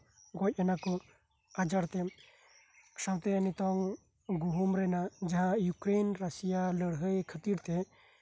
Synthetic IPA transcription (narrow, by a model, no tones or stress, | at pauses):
ɡɔc̚ˀɛnakɔ | ad͡ʒaɽt̪ɛm | sabt̪ɛənit̪ɔŋ | ɡuɦumɾɛnad͡ʒaɦãjukɾenɾasijaləɽɦəjkʰət̪iɾt̪ɛ